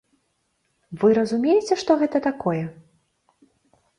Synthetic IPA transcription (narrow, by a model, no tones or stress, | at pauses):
vɨɾɐzumʲejɪt͡sʲɛʂt̪ɔɣɛt̪ɐt̪akɔjɛ